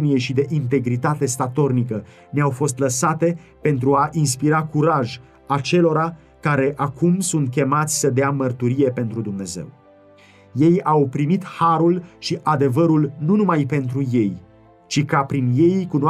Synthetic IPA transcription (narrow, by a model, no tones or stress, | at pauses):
nije̞ʃid̪e̞ʔint̪̬e̞ɡɾit̪at̪e̞st̪at̪o̞rnikə | neawfo̞st̪ləsat̪e̞pe̞nt̪ɾuaʔins̬piɾakuɾaʒ | at͡ʃe̞lo̞ɾa | kaɾe̞ʔakʰumsunt̪̚kʲe̞mat̪sʲsəd̪eamərt̪uɾije̞pe̞nt̪ɾud̪umne̞ze̞̰w | je̞jawpɾimit̪haɾulʃiʔad̪e̞vəɾulnunumajpe̞n̪t̪ɾuje̞j | t͡ʃikapɾinje̞jkuno